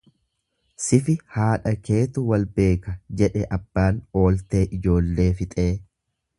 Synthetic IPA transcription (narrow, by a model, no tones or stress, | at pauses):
sɪfɪhaːᶑɐke̞ːt̪ʊwɐlbe̞ːkɐd͡ʒɛᶑɛʔɐb̥ːaːno̞ːlt̪e̞ːʔɪd͡ʒo̞ːlːe̞ːfɪt̪ʼe̞ː